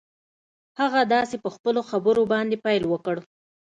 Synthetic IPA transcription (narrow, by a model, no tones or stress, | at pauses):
haɣad̪ɑsepəxpəloxabəɾobɑnd̪epɑjlwəkəɽ